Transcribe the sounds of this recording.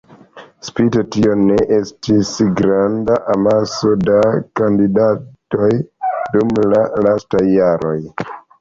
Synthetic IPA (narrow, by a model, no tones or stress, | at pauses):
spitotio̞ne̞ʔe̞stisɡɾandaʔamaso̞dakandidato̞jdumlalastajːaɾo̞j